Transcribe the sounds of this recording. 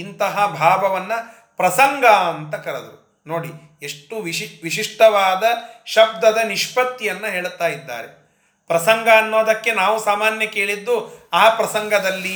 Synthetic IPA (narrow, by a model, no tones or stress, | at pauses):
int̪ɐɦɐbʱaːʋɐʋɐnːɐ | pɾɐsɐŋɡʱaɐnt̪ɐkɐɾɐd̪u | noːɽi | e̞ʂʈːuʋiiʋiʃiʂʈɐʋaːd̪ɐʃɐb̚d̪ɐd̪ɐniʂpɐt̪ːijɐnːɐɦeːɭt̪aːjid̪ːa̰ːɾe | pɾɐsɐŋɡʱɐːnːoːd̪ɐkːe̞naːʋusaːmaːnjɐke̞ːɭid̪ːuaːpɾɐsɐŋɡʱɐd̪ɐlːi